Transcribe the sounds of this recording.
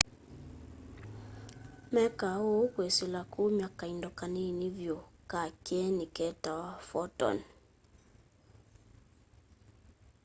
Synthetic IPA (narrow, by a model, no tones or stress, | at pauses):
mɛkahokwesilakumjakaindɔkaninivjokakɛnikɛtawafɔtɔ̰n